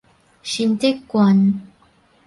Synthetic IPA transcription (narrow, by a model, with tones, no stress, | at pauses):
ɕi˧nt̪e˦˥kːwa˧˦n